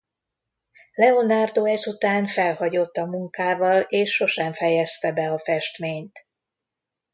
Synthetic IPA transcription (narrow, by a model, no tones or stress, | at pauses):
lɛo̞nard̪oɛzut̪aːnfɛlhɒɟo̞t̪ːɒmuŋkaːvɒleːʃːo̞ʃɛɱfɛjɛst̪ɛbɛɒfɛʃt̪meːɲt̪